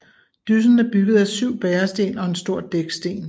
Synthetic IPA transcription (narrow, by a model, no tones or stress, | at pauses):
d̥ys̬ən̩əb̥yɡ̥ð̞̩ˠæsyʊ̰b̥ɛːɐsd̥e̝̰ːnɒ̽e̝nsd̥o̝ɐ̰d̥eɡ̥sd̥e̝̰ːn